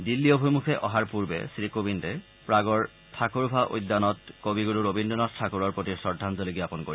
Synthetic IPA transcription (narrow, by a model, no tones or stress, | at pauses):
dilːiobʱojmukʰɛʔɔɦaɹpuɹbɛ̰sɹikobintɛ | pɹaɡɔɹ | tʰakuɹbʱaʔo̰jdːanɔtkobiɡuluɹobindɔnastʰakuɹɔɹpɹotiɹsɔɹdʱanzolikɡiapɔnkoɹi